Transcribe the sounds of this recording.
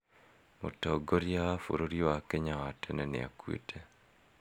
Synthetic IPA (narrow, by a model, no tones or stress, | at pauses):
motoɡoɾjawafṵɾoɾjowakeɲawatenɛnḛa̰kwḭtʰe